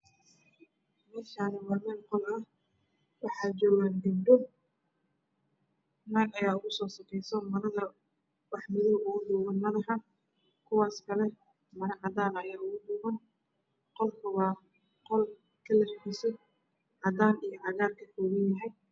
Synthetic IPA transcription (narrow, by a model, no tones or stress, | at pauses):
mɐrkʰaːnɛwɑːmɛːlqɔlɐh | wɑħɑːd͡ʒɔːɣandɪmdɔ | naːɡɐjaːʊɣʊsɔːsɐkʰɛjsɔmɐɾɐðɐ | wɑħmɪðɔwʊɣʊd̪ɔːɣɐnmɐðɐħɑ | kʰʊwaːskʰɐlɛ | mɐɾɐʕɑd̪aːnɐjaːʊɣʊd̪ʊɣɐn | qɔlkʰʊβaː | qɔl | kʰɐlɐħisɛ | ʕɑd̪aːnijɞʕɑɣaːrkʰɐkʰɔːɣɐnjɐɦɛj